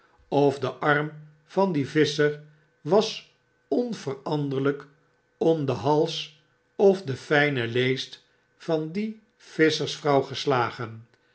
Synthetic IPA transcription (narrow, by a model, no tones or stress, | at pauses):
ɔfdəʔɑɹm | v̥ɑndivɪsəɹ | ʋɑs | ɔnvərɑndəɹlək | ɔmdəɦɑlˠs | ɔfdəfɛjnəlejst | fɑndi | v̥ɪsəɹsfrɑwχəslaːχən